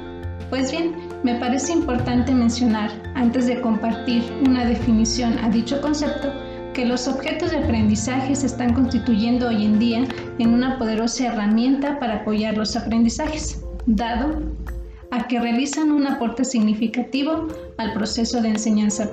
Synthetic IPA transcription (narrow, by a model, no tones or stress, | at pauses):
pwe̞zβje̞n | me̞paɾe̞se̞impo̞ɾt̪ant̪e̞mẽnsjo̞naɾ | ant̪e̞zðe̞ko̞mpaɾt̪iɾunaðe̞finisjo̞nʔa̰ðit͡ʃo̞ko̞nse̞p̚t̪o̞ | ke̞lo̞so̞βxe̞t̪o̞zðeapɾe̞nd̪isaxe̞se̞st̪aŋko̞nst̪it̪uʝe̞nd̪ooje̞nd̪ia | enunapo̞ð̞e̞ɾo̞saeramje̞nt̪apaɾaːpo̞ʝaɾlo̞sapɾe̞nd̪isaxe̞̥sd̪aðo̞ | ake̞realisanunapo̞ɾt̪e̞siɣnifikat̪iβo̞ | alpɾo̞se̞so̞ð̞eːnse̞ɲansa